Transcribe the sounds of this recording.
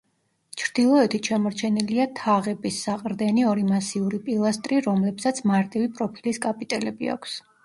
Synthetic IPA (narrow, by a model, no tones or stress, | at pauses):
t͡ʃʰɾd̪̥ilˠɔɛt̪ʰiʃamɔɾt͡ʃʰɛniliat̪ʰaʁɛbisːaqʼɾd̪ɛniɔɾimasiuɾipʼilˠast̪ʼɾiɾɔmlɛpsat̪sʰmaɾt̪ʼivipʼɾɔpʰiliskʼapʼit̪ʼɛlɛbia̰kʷʰs